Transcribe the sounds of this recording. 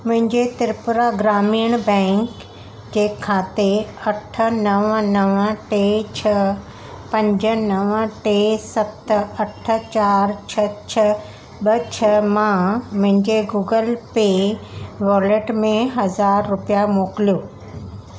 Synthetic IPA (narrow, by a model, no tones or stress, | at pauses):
mʊ̃ɦɪ̃ɲd͡ʑet̪ɪɾpʊɾaɡɾaːmiːəɽ̃bɛ̃ːŋk | d͡ʑeːkʰaːt̪eɐʈʰə̆nɐʋnɐʋəʈeːt͡ɕʰɐ | pɐ̃ɲd͡ʑə̆nɐʋəʈeːsɐt̪ɐʈʰə̆t͡ɕaːɾt͡ɕʰɐt͡ɕʰɐ | ɓɐt͡ɕʰɐmãmʊ̃ɦɪ̃ɲd͡ʑeɡuːɡəlpe | ʋɔːləʈmẽɦɐzaːɾːʊpijamoːkɪlijoː